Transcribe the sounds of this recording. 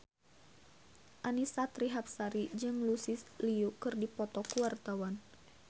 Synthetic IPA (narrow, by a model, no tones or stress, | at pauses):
ʔanisat̪ɾiɦap̚saɾid͡ʒɨŋlusɪsliukɨrdipɔt̪ɔkuwart̪awan